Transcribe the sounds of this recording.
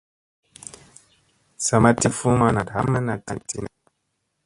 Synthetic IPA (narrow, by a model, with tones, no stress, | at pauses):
sa˨ma˦ti˦fu˦ma˦na˨dɦa˦mɛ˦na˨ta˨ti˦na˨